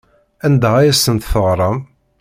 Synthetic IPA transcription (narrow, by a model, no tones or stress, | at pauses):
ænd̪æʁæjæsənt̪θəʁɾˤɑm